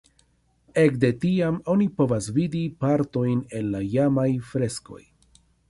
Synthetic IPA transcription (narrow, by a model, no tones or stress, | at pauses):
e̞kde̞tiamo̞nipo̞vasvidipaɾto̞jne̞nːajamajfɾe̞sko̞̰j